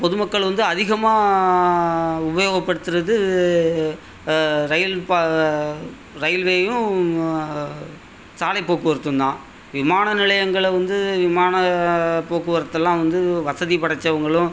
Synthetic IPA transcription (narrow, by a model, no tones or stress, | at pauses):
pɔðɯmɐkːɐɭʋɐnd̪ɯɐðɪɣɐmaː | ʊbɐjoːɣɐpːɐɽɯt̪ːɯɾɐðɯ | ɾɐjɪlpa | ɾɐjlʋeːjʊ̃ | saːlɐɪpːoːkːɯʋɐɾɯt̪ːɯnd̪ãː | ʋɪmaːnɐnɪɭɐjɐŋɡɐɭʋɐnd̪ɯʋɪmaːnɐpoːkɯʋɐɾɐt̪ːɛlːãːʋɐnd̪ɯʋɐsɐðipɐɽɐt͡ʃːɐʋɐŋɡɐɭʊ̃